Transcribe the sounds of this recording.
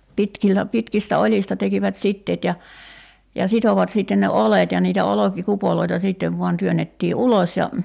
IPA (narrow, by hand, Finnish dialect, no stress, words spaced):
pitkilːæ pitkistæ olʲistɑ tekiʋæt sitːeːt jɑ jɑ sitoʋɑt siˑtːen ne olet jɑ niːtæ olokikupoloitɑ siˑtːeʋ ʋuɑn tyønˑetːiː ulosʲ jɑ